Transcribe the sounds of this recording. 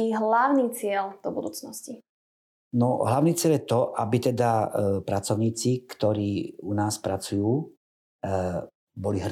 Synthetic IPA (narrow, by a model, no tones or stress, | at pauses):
iɦlaʊniːt͡sɪɛld̪̥ɔbud̪uːt͡snɔsci | nɔ̰ɦlaʊniːt͡sɪɛljɛt̪ɔʔabit̪ɛd̪apɾat͡sɔʊɲiːt͡sikt̪ɔɾiːunaːspɾat͡sujuː | bɔliɦ